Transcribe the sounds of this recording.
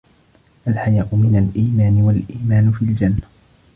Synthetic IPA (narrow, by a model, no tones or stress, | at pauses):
ʔalħajaːʔʊmɪnalʔiːmaːnɪwalʔiːmaːnʊfiːld͡ʒanːa